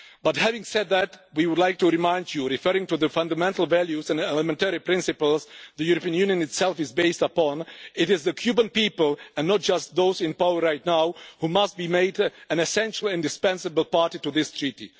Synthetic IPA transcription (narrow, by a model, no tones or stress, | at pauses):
b̥ʌthævɪ̃ŋsɛd̪̚ðætwiwʊdˡlaɪk̚tuɹɨmãɪ̃nd͡ʒjuɹɪfɜ˞ɹɪ̃ŋtuðəfʌ̃ndəmɛ̃ntl̩ˠvælˠjuzɨ̃nɛləmɛ̃ntɛɹipɹ̥ɪ̃nsɨpəl̩ˠzðɨjuɹəpiə̃njʉ̃njɨ̃nɨtsɛlˠfɨzbeɪstəpɔ̃nɪɾɪzðɨkʰj̥ʉbə̃npipəl̩ˠɨ̃nːɔt̚d̥d͡ʒ̥ʌst̪̚ðoʊzɪ̃npaʊəɹaɪt̚ⁿnaʊhumʌst̚b̥imeɪdɨ̃nɨsɛ̃nʃl̩ˠɪ̃ndɨspɛ̃nsəbl̩ˠpaɹtituðɪstʰɹ̥itḭ